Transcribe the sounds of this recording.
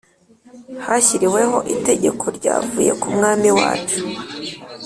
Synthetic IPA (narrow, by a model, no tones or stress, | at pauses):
haçiɾiwe̞ɦo̞ʔite̞ɟe̞kʰo̞ɾɟa̰ːvuːje̞̰kumŋaːmiwa̰ːt͡ʃu̥